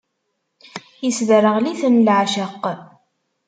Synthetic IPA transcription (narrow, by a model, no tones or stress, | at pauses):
jisðərəʁliθənlʕʃəqː